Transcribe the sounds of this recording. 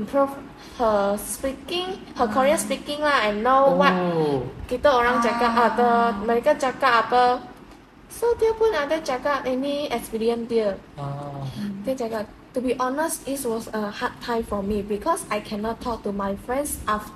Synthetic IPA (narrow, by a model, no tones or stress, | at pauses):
ĩmpʰɹuf | həspikɪ̃ŋ | həkʰɔɹiəspikɪ̃ŋlaɛ̃nːowɔt̚kitəəɹãŋd͡ʒakatʔadəmɛɹikə̃d͡ʒakatatə | sodɛəpũnadəd͡ʒakatɛniɛkspiɹiə̃ndiə | dɛd͡ʒakat | tubiʔɔnəstiswɔsəhat̚tʰːãjmfɔmibikʰɔsajkʰɛ̃nɔtʰːɔk̚tumajfɹɛ̃nsʔaf